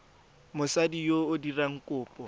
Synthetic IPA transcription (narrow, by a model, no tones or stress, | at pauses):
mʊsadijoʊdiraŋ̩kʼʊːpʼɔ